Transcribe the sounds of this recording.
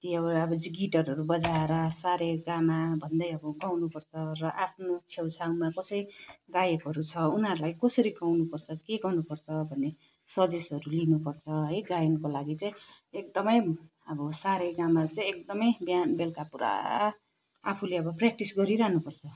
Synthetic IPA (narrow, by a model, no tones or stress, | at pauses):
t̪iʌbʌbʌd͡ziɡiʈʌrɦʌɾubʌd͡zaeɾʌsaɾeɡamabʱʌnd̪ʌjʌbʌɡawnupʌrt͡sʰʌrʌʔapʰnot͡sʰewt͡sʰawmakʌsʌɾiɡajekoɾut͡sʰʌunɦʌɾulajkʌsʌɾiɡawnupʌrt͡sʰʌkeɡawnupʌrt͡sʰʌbʱʌnːe | sʌdesʌɾulinupʌrt͡sʰʌɦʌjɡajnʌkolaɡit͡saj̃ | ek̚d̪ʌmʌj | ʌbʌsaɾeɡamat͡saĩek̚d̪ʌmʌjbjanbelkapuɾa̰ | a̰pʰuleʌbʌprak̚ʈisɡʌɾiɾaɦnupʌrt͡sʰʌ